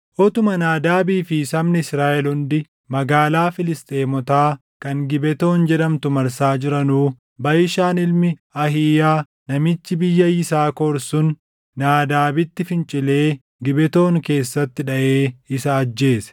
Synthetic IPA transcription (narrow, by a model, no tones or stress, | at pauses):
ʔɔt̪ʊmɐnaːd̪aːbiːfɪsɐmnɪɪsɾaːʔɛlʊnd̪ɪ | mɐɡaːlaːfɪlɪst̪ʼe̞ːmɔt̪aː | kɐŋɡɪbɛt̪o̞ːnd͡ʒɛᶑɐmt̪ʊmɐɾsaːd͡ʒɪɾɐnuː | bɐjɪʃaːnɪlmɪɐɦiːjaː | nɐmɪt͡ʃːɪbɪjːɐjɪsaːkoːɾsʊn | naːd̪aːbɪt̪ːɪfɪnt͡ʃʼɪle̞ː | ɡɪbɛt̪o̞ːŋke̞ːsːɐt̪ːɪᶑɐʔe̞ːɪsɐːd͡ʒːe̞ːsɛ̥